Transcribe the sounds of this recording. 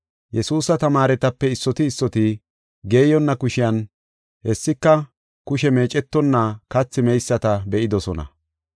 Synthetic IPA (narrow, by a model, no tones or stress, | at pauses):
jɛsuːsɐt̪ɐmaːɾɛt̪ɐpːɛɪsːɔt̪ɪːsːɔt̪ɪ | ɡe̞ːjɔnːɐkʊʃɪjɐn | hɛsːɪkːɐ | kʊʃɛme̞ːt͡ʃʼɛt̪ːɔnːɐkɐt͡sːɪmɛjsːɐt̪ɐbɛʔɪd̪ɔsɔnɐ̰